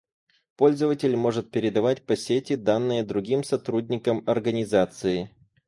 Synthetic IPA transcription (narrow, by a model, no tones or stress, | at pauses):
po̞lʲzəvətʲɪlʲmo̞ʐɨt̪̚pʲɪɾʲɪd̪ɐvatʲpɐsʲetʲɪd̪anːɨjəd̪ɾʊɡʲimsɐt̪ɾudʲnʲɪkəmɐrɡənʲɪzat̪sɨɪ